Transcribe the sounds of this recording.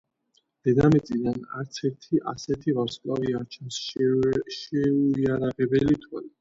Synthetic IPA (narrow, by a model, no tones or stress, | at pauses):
d̪̥ɛd̪amit̪sʼid̪ana̰ɾt̪sʰɛɾt̪ʰiʔa̰sɛt̪ʰivaɾskʼlaviaɾt͡ʃʰɛns | ʃɛuiaɾaʁɛbɛlit̪ʰwali